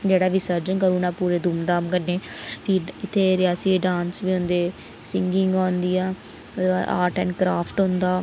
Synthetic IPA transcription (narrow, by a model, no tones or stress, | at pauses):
d͡ʒeːɽaːʋiːsəɾd͡ʒəŋkəɾuːnãːpuːɾeːd̪uːmd̪aːmkənːeːʋiːɪt̪ʰːeːɾɪaːsiːɖãːnsʋiːɦʊ̃nd̪eː | sɪŋɡɪŋɡãːnd̪iːãː | aʔa̰ːɾʈɛ̃ːɳɖkɾaːpʰʈɦʊ̃nd̪aː